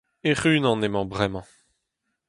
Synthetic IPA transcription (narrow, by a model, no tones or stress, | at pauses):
eʁynɑ̃nemɑ̃bʁɛmɑ̃